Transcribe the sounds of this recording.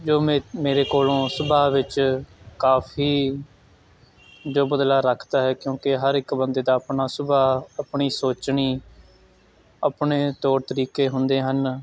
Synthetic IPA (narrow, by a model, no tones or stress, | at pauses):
d͡ʒoːmeːɾeːkoːlõːsʊbaːʋɪt͡ʃkaːfʰiː | d͡ʒoːbəd̪laːɾəkʰd̪aːɦɛːkjõːkɪɦəɾɪkbənd̪eːd̪aːəpɳaːsʊbaːəpɳiːsoːt͡ʃɳiː | əpɳeːt̪oːɽt̪əɾiːkeːɦʊnd̪eːɦən